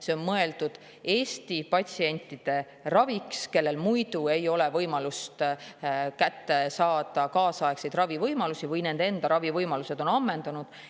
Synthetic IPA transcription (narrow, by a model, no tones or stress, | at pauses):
se̞o̞nmɤe̞ld̪̥ud̪̥ | e̞ːst̪ipɑt̪ʲsie̞nʲt̪ˑːid̪̥e̞ | rɑvikske̞lːe̞lmujd̪ue̞jo̞le̞vɤjmɑlust̪ | kæt̪ːe̞sɑːd̪̥ɑkɑːsɑeksejd̪̥rɑvivɤjmɑlusivɯjne̞nd̪̥e̞nd̪̥ɑɾɑvivɤjmɑluse̞d̪̥o̞nɑmːe̞nd̪̥ɑnud̪̥